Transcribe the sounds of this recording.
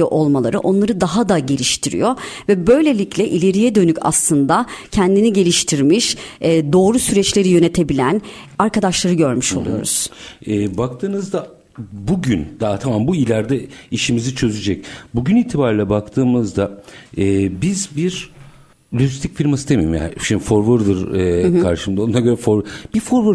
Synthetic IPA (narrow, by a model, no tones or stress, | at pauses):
ɛʔolˠmalˠaɾɯʔo̞nlˠaɾɯd̪aɦad̪aɟe̞lʲiʃt̪ʰiɾḭjo̞vɛbø̞jlʲe̞lʲiclʲɛʔilʲe̞ɾijɛd̪ø̞nycʰa̰slˠɯnd̪acʰænd̪iniɟe̞lʲiʃt̪ʰiɾmiʃɛd̪o̞ːɾusyɾɛt͡ʃlʲe̞ɾijø̞ne̞t̪ʰe̞bilʲæn | aɾkad̪aʃlˠaɾɯɟø̞ɾmyʃo̞lˠṵjo̞ɾṵz̥ɛːbak̚t̪ʰɯːnɯzd̪a | buɟynd̪̥at̪ʰamambuilʲæɾd̪ɛiʃimizit͡ʃʰø̞zyd͡ʒɛc̚buɟyniːt̪ʰibaɾlʲɛbakt̪ʰɯːmɯzd̪aɛːbizbiɾ | lʲyzist̪ʰicfiɾmasɯt̪ʰemḛjḭmja̰ːnʃimifoɾvɯɾd̪ɯɾkʰaɾʃɯmd̪aonaɡɟøɾɛfoɾb̥iɾfoɾvɯɾ